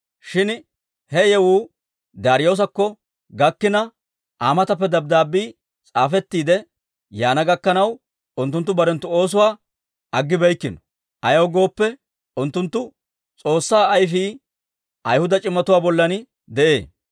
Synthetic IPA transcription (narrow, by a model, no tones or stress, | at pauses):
ʃɪn | hɛjɛwuː | d̪aːɾɪjoːs̬ɐkːɔ | ɡɐkːɪnɐ | ʔaːmɐt̪ɐp̬ːɛd̪ɐb̚d̪aːbːiː | t͡sʼaːfɛt̪ːiːd̪ɛ | jaːnɐɡɐkːɐnɐw | ʊnt̪ːʊnt̪ːʊbɐɾɛnt̪ːʊo̞ːs̬ʊwaː | ɐɡːɪbɛjkːɪnɔ̥ | ʔɐjɐwɡo̞ːpːɛ | ʊnt̪ːʊnt̪ːʊ | t͡sʼo̞ːsːaːɐjfiː | ʔɐjhʊd̪ɐt͡ʃʼɪmːɐt̪ʊwaːbɔlːɐn | d̪ɛʔḛː